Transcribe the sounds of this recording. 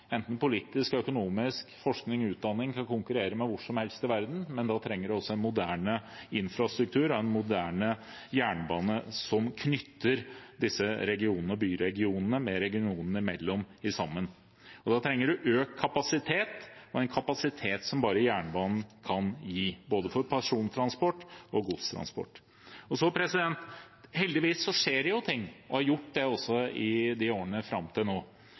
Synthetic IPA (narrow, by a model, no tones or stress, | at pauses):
ɛnt̪n̩pʊliːt̪ɪskœkʊnuːmɪskfɔʂknɪŋɔʉːt̪̚d̪ɑnːɪŋkʰɑnkʰʊŋkʉɾeːɾəmɛʋʊʂɔmhɛlst̪ɪʋæɾd̪n̩mɛnd̪ɑːt̪ʰɾɛŋːəɖʉɔsːɔɛnmʊd̪æːɳəɪnfɾɑst̪ɾʉk̚t̪ʰʉːɾɔɛnmʊd̪æːɳə | jæːɳbɑːnəsɔmkʰnʏt̪ːəɾd̪ɪsːəɾɛɡɪuːnənəɔbyːɾɛɡɪuːnənəmɛɾɛɡɪuːnənəɪmɛlːɔmɪsɑmːən | ɔd̪ɑt̪ʰɾɛŋːəɖʉʔøːkʰːɑpɑsɪt̪ʰeːt̪ɔɛnkʰɑpɑsɪt̪ʰeːt̪sɔmbɑːɾəjæːɳbɑːnn̩kʰɑnjiːboːd̪əfɔɾpʰɑʂuːnt̪ʰɾɑnspɔʈːɔɡuːd̪st̪ʰɾɑ̰nspɔ̰ʈː | ɔsɔpʰɾɛsɪd̪ɛnt̪ | hɛld̪ɪʋiːsːɔʂeːɾɛjʊt̪ʰɪŋːɔhɑɾjʊʈːd̪ɛɔsːɔɪd̪ɪoːɾənəfɾɑmːt̪ʰɪlnoː